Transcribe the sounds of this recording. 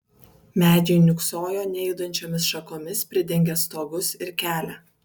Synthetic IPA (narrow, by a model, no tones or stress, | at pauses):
mʲæːd͡ʒʲɛnʲʊksoːjoːnʲɛjd̪ɐnʲt͡ʃʲoːmʲɪsʃɐkoːmʲɪspʲɾʲɪd̪ʲɛŋʲɡʲɛst̪oːɡʊsɪɾkʲæːlʲæ